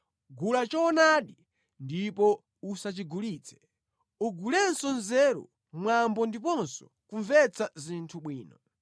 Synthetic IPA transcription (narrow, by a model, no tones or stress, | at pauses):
ɡulat͡ʃɔːnaɗi | ndipɔ | usat͡ʃiɡuliːt͡sɛ̥ | uɡulɛnsɔnzɛːɾɔ̰ | mwambɔndipɔnsɔ̥ | kuɱvɛt͡sazintʰuɓwiːnɔ